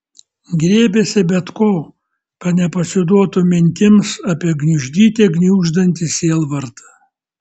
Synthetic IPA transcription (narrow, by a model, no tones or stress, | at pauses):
ɡɾʲeːbʲesʲɪbʲɛt̪koː | kɐt̪nʲɛpɐsʲɪd̪uɔt̪umʲɪŋʲk̪ʲɪmsɐːpʲiɛɡnʲʊʒʲd̪ʲiːt̪ʲeːɡnʲuːʒd̪ɐnʲt̪ʲɪsʲeːlˠʋɐɾt̪ɐ